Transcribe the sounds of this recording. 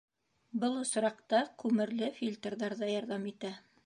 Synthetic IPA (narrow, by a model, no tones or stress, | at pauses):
bɤlˠŏsɾɑqt̪ɑkʉmɘ̆ɾlɘfʲilʲt̪rðɑɾðɑjɑɾðɑmit̪æ